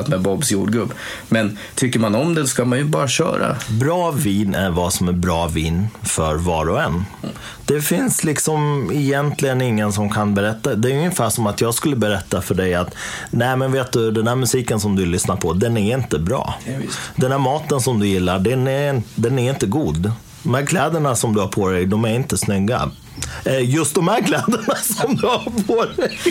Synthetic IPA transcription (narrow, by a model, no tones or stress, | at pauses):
t̪mɛbɔbsjuːɖɡɵbː | mɛn | t̪ʰʏkːəɾmanɔmd̪ɛɔskamanjɵbɑːɾaɕœ̰ːɾa̰bɾɑːviːnʔæɾvasɔmæɾbɾɑːviːnfœɾvɑːɾɔɛnː | d̪̥ɛfɪnslɪksɔmɪjɛnt̪lɪɡənɪŋːənsɔmkʰanbɛɾɛt̪ːad̪ɛæjɵŋːəfæːʂɔmat̪jɑːɡskɵlːəbɛɾɛt̪ːafœɖɛjat̪nɛɪmɛnveːt̪̚d̪ɵd̪ɛnhæːɾmɵsiːkənsɔmd̪ɵlʏsnaɾpʰɔd̪ɛnæɾɪnt̪əbɾɑ̰ːd̪ɛnhæːɾmɑːt̪ənsɔmd̪ɵjɪlːaɖɛnɛd̪ɛnæɾɪnt̪əɡuːd̪ | d̪ɔmhæːɾkʰlɛːd̪əɳasɔmd̪ɵhaɾpʰɔɾɛjd̪ɔmæɾɪnt̪əsnʏɡːa̰ | ɛjɵst̪̚d̪ɔmhæːɾkʰlɛːd̪əɳasɔmd̪ɵhaɾpʰodɛj